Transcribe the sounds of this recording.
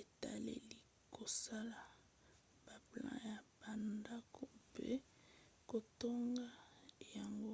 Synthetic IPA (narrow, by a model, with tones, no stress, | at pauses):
e˨ta̰˨lḛ˨li˦ | kʰo˨sa˦la˨ | b̥a˨plã̰˦ja˨b̥a˨nda˦kʰo˦˨pʰḛ˦ | ko˨to˦ŋɡa˦ja˨ŋɡo˦